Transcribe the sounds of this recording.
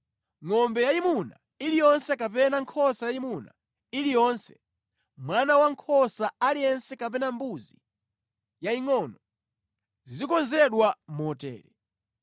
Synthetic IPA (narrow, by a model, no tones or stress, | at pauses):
ŋɔmbɛjaimuna̰ | ilijɔnsɛkap̬ɛnaŋkʰɔsajaimuna̰ | ilijɔnsɛ̥ | mwanawaŋkʰɔsaalijɛnsɛkap̬ɛnambuzi | jaiŋɔnɔ | zizikɔnzɛɗwamɔtɛ̰ːɾɛ